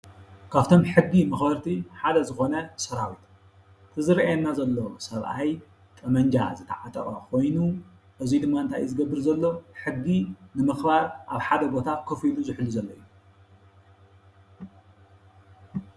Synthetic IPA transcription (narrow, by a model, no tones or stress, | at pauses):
kʰaβt̪ʰo̞mħɨɡːimɨxbɐɾt̪ʰiħad̪ɐzɨxo̞nɐsɐɾawit̪ | t̪ʰɨzɨɾʔajɛnːazɐlːo̞sɐβʔaj | t̪ʼɐmɐɲd͡ʒa̰zɨt̪ʰa̰ʕat̪ʼɐɾʼɐkʰo̞jnu | ʔɨzid̪ɨmːaɨnt̪ʰajzɨɡɐbːɨɾzɐlːo̞ħɨɡːinɨmɨxbaɾʔaβħad̪ɐbo̞t̪ʰakʰɐfiluzɨħluzɐlːɐjːu